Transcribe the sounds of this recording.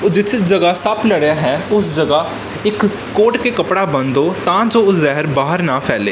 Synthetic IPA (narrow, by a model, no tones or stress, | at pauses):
d͡ʒɪsd͡ʒɐɡasɐbləɽjaɦɛːʊsd͡ʒɐɡa | ɪkː | oːʈkekɐpɽabə̃nd̪oːt̪ãːd͡ʒoʊszɛɦəɾbaːɦəɾnapʰɛːleː